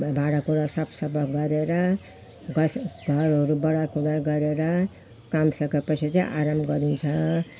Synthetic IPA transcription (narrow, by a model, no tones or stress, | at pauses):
bʱaɽakuɽasʌpʰsʌbʱʌɡʌɾeɾʌ | ɡʌsɡʱʌɾɦʌɾubʌɽakuɽaɡʌɾeɾʌ | kamsʌkepʌt͡sʰit͡sʌ̃ĩʔa̰ɾamɡʌɾunt͡sʰʌ